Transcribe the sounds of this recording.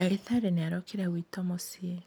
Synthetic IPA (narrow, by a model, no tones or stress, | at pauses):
aeθaɾeneaɾɔkʰeɾawiːtɔmɔsie